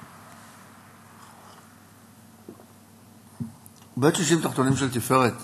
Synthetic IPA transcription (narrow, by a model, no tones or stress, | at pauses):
bet̪ʃiʃ̬imt̪aχt̪onimʃelt̪ifeʁet̪